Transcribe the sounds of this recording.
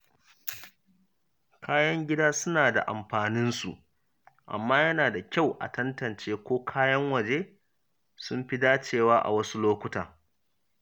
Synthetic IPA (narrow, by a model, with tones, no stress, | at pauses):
kʰaː˦jɐ˦ŋɡʲɪ˦daː˦sʊ˦naː˨da̰˨ʔa̰˨mɸaː˨nɪ˦nsṵ˨ʔ | ʔa̰˨mːaː˦jɐ˦naː˨da˨kʲa˦˨wʔa̰˨tɐ˦ntɐ˨nt͡ʃeː˦kʷoː˦kʰaː˦jɐ˦ŋwɐ˨d͡ʒeː˦ | sʊ˦mɸi˦daː˦t͡ʃeː˦˨waː˦ʔa̰˨wɐ˦su˦loː˦kʷʊ˦ta̰ː˨